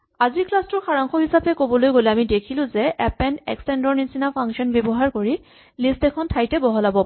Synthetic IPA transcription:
aziɹklastʊɹxaɹaŋxɔɦisapɛkobɔlojɡolɛamidekʰilʊ̃zɛʔɛpɛnɛ̰kstɛndɔɹnisinapʰaŋksiɔnbebɔɦaɹkoɹi | listɛkʰɔntʰajtɛbɔɦɔlabɔ

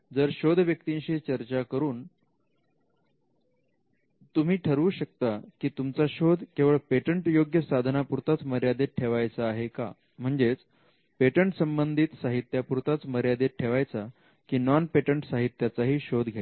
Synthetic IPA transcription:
d͡zəɾɕod̪ʱʋjəkt̪iɲɕiːt͡ɕəɾt͡ɕakəɾuːn | t̪um̤iːʈʰəɾuːɕək̚t̪akiːt̪umt͡saɕod̪ʱkeʋəɭpeʈəɳʈjoɡjəsad̪ʱənapuɾt̪at͡sməɾjad̪eʈʰeʋajt͡saːɦeka̰ | m̤əɳd͡zet͡s | peʈəɳʈsəmbənd̪ʱit̪saɦit̪japuɾt̪at͡sməɾjad̪eʈʰeʋajt͡sa | kiːnɔnpeʈəɳʈsaɦit̪jat͡saɦiːɕod̪ʱɡʱja

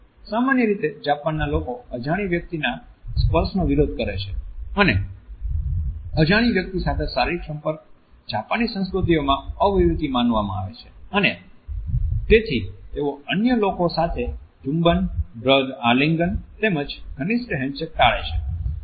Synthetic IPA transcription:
samanjəɾit̪ed͡ʒapanːalokoəd͡ʒaɽ̃iʋjək̚t̪ina | spəɾsnoʋiɾod̪̚kəɾet͡ʃʰeəne | əd͡ʒaɽ̃iʋjək̚t̪isat̪ʰesaɾiksə̃mpəɾk̚ | d͡ʒapanisə̃nskɾut̪iomãəʋʋiʋid̪imãnʋamã̰a̰ʋḛt͡ʃʰe̥əne | t̪et̪ʰit̪eoənjəlokosat̪ʰed͡ʒũmbənbɾəd̪aliŋɡənt̪eməd͡ʒɡʱənisʈəɦɛ̃ɲt͡ʃək̚ʈaɭḛt͡ʃʰe

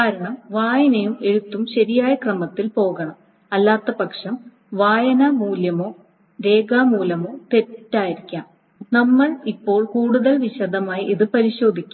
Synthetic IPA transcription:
kaːɾɐɳɐmʋaːjɐnɐjume̞ɻut̪ːumɕɐɾijaːjɐkrɐmɐt̪ːilpo̞ːɣɐɳɐm | ɐlːaːt̪ːɐpɐkʂɐm | ʋaːjɐnɐmuːljɐmo̞ː | ɾe̞ːɡaːmuːlɐmo̞ːt̪e̞tːaːjiɾikʲːaːm | nɐmːɐɭipːo̞ːɭkuːɽuðɐlʋiɕɐd̪ʱɐmaːjiʔiðɨpɐɾiɕo̞ːd̪ʱikʲːu

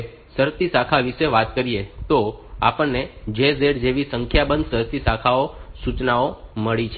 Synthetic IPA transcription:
səɾt̪isakʰaʋiʃeʋat̪kəɾiet̪oa̰pəɳnːed͡ʒezeɽd͡ʒeʋisəŋkʰjabənd̪səɾt̪isakʰaosut͡ʃnaoməɭit͡ʃʰe

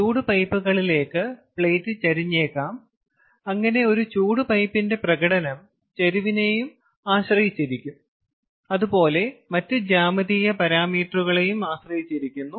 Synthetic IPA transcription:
t͡ɕuːɽupɐjpːuɣɐɭile̞ːkːɨpɭejtːɨt͡ɕɐɾiɲːe̞ːkːaːm | ɐŋːɐne̞o̞ɾut͡ɕuːɽupɐjpːinde̞prɐɣɐɽɐnɐm | t͡ɕɐɾuʋine̞jum | aːɕrɐjit͡ɕːiɾikʲːum | ɐðupo̞ːle̞mɐtːɨd͡ʑaːmɐðijɐpɐɾaːmiːʈruɣɐɭejumaːɕrɐjit͡ɕːiɾikʲːunːu

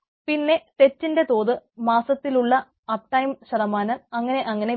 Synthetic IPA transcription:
pinːe̞t̪e̞t͡ɕːinde̞t̪o̞ːðɨmaːsɐt̪ːiluɭːɐ | ɐp̚ʈɐjmɕɐðɐmaːnɐmɐŋːɐne̞ʔɐŋːɐne̞

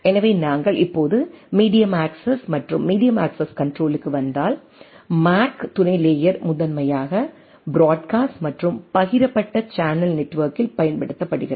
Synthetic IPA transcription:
ɛnɐʋeːnaːŋɡɐɭʔɪpːoːðɯmiːɽɪjɐmaːksɐsmɐʈrɯmːiːɽɪjɐmaːksɐskɐɳɖɾoːlɯkːɯʋɐnd̪aːl | maːkt̪ʊnɐɪleːjɐɾmʊðɐnmɐjaːɣɐ | bɪɾaːɖ̚kaːsʈmɐʈrɯmpɐɣɪɾɐpːɐʈːɐt͡ʃaːnɐlnɛʈːʋɐːɾkɪlpɐjɐnpɐɽɯt̪ːɐpːɐɽɯɣɪɾɐ

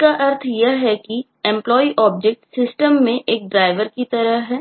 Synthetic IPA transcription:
kaʔɐɾt̪ʰjɐɦɛki | ɛ̃mplɔːiʔɔːb̚d͡ʒek̚ʈsɪsʈəmːẽʔeːk̚ɖɾaːɪʋəɾkit̪ɐɾəɦɦɛː

